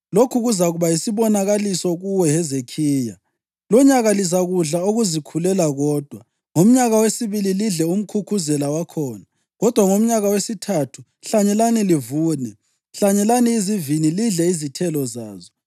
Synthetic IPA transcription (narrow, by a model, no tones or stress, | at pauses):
lokʰuɣuzaɣuβajisiβɔnaɣalisɔɣuwɛɦɛzekʰiːja̰ | lɔɲaɣalizaɣuɮaoɣuzikʰulɛlaɣɔːd̥ʱwa | ŋom̩ɲaɣawesiβililiɮɛum̩kʰukʰuzɛlawakʰɔːna | ɣɔd̥ʱwaŋom̩ɲaɣawesitʰatʰu̥ | ɬaɲɛlanilivuːnɛ | ɬaɲɛlaniːziviniliɮɛizitʰɛlɔza̰ːzɔ